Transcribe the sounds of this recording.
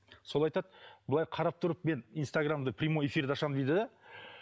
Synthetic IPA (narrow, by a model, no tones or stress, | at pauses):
so̞lˠɑjt̪ɑd̪bəlˠɑjqʰɑɾɑp̚t̪ʰʊɾəp̚me̞nijnst̪aɡramd̪əpʰrʲijmo̞je̞fʲiɾd̪ɑʃɑmd̪ejd̪ɪd̪ɑ